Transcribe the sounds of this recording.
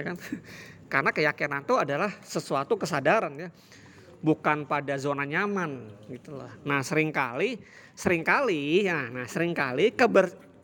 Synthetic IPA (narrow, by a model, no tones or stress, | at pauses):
jakankarnakəjakinant̪oadalahsəsuat̪ukəsadaɾanja | bukanpadazonaɲamanɡit̪ulɔ̰hnahsəɾɪŋka̰li | səɾɪŋkalijanahsəɾɪŋkalikəbər